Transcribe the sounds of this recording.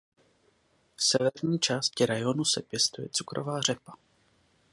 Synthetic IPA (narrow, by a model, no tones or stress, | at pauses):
fsɛvɛɾɲiːt͡ʃaːscɪɾajonusɛpjɛst̪ujɛ̰t͡sukɾo̰vaːr̝ɛpḁ